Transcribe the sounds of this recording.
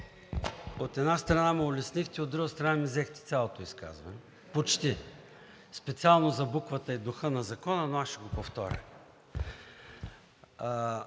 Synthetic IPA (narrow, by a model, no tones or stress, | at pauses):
ot̪ɛd̪nast̪ɾɐnamiolɛsnixt̪ɛod̪ɾuɡəst̪ɾɐnamizɛxt̪ɛ̥t̪sʲalˠot̪oiska̰zvɐ̰nɛ | pot͡ʃt̪i | spɛt̪sialˠnozɐbukvət̪əid̪ʊxɤnɐzɐkɔnɐnoasʃɛɡopoft̪ɔɾʲə̰